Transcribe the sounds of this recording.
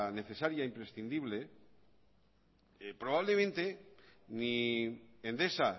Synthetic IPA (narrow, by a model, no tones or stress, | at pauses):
ne̞θe̞saɾjaimpɾe̞sθind̪iβle̞ | pɾo̞βaβle̞mẽ̞nt̪e̞ni | end̪e̞sa